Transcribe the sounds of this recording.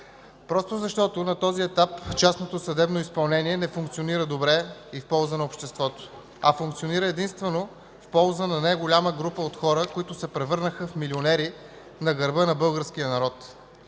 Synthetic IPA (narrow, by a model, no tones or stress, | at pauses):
pɾɔst̪ozɐʃt̪ɔt̪onɐt̪ɔziɛt̪apt͡ʃasnot̪osɐd̪ɛbnoispɐlˠnɛniɛnɛfuŋk̚t̪sioniɾəd̪obɾɛifpɔlˠzənɐopʃt̪ɛst̪vɔt̪o̥ | ɐ̰fuŋk̚t̪sioniɾəɛd̪inst̪vɛno | fpɔlˠzənɐnajɡolʲaməɡɾupəot̪xɔɾəkoit̪ʊsɛpɾɛvɤɾnəxəfmilionɛɾi | nɐɡɐɾbənɐbɤlˠɡəɾsk̟ijənɐɾɔt̪